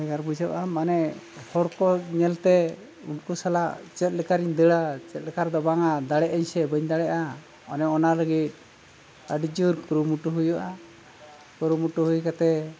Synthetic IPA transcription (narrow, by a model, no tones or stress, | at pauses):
ɛɡaɾbud͡ʒəʔamanɛ | hɔɾkɔɲɛlt̪ɛ | ṵnkusala̰t͡ʃɛt̪̚ˀləkaɾiɲd̪əɽat͡ʃɛt̪̚ləkaɾd̪ɔbaŋad̪aɽɛʔəɲsɛbəɲd̪aɽɛʔa | ɔnɛɔnaləɡit̪̚ | əɖid͡ʒuɾkɾumuʈuɦujɔʔa | kɔɾumuʈuhujkat̪ɛ